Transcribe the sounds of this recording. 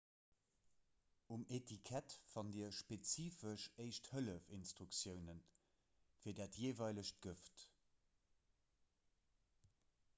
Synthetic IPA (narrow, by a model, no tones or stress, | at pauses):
umetʰikʰætfɑndiːɐʃpet͡siːfəʃɜɪʃthələfinstʁuksjəʊnən | fiːɐdaːtʰjeːvɑɪləɕt̚ɡ̥əft